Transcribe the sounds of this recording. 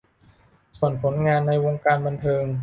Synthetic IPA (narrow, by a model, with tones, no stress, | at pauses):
su˨˩ənpʰo˩˦nŋaː˧nːa˧jwoː˧ŋkaː˧nba˧nt̪ʰɤː˧ŋ